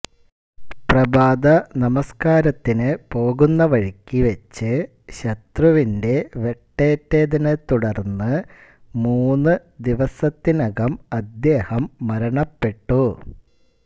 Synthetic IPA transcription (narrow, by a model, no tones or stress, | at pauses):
prɐbaːd̪ɐnɐmɐskaːɾɐt̪ːinɨpo̞ːɣunːɐʋɐɻikʲːiʋɐt͡ɕːɨ | ɕɐt̪ruʋinde̞ʋe̞ʈːeːtːeːd̪ɐnɨt̪uɽɐrnːɨ | muːnːɨ | d̪iʋɐsɐt̪ːinɐɣɐmɐd̪jeːhɐmːɐɾɐɳɐpːe̞ʈːu